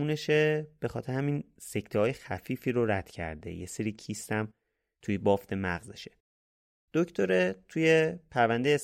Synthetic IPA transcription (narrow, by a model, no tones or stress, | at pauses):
uːneʃeb̥e̞xɒːt̪ʰeɾehæmin | se̞ct̪ʰɒːjexæfiːfiːɾoɾæd̪̥cʰæ̰ɾd̪ḛjḛseɾiːcʰiːst̪æm | t̪ʰujebɒːft̪ʰe̞mæɣzeʃe̥ | d̪̥oct̪ʰoɾe̞t̪ʰujepʰæɾvænd̪e̞jes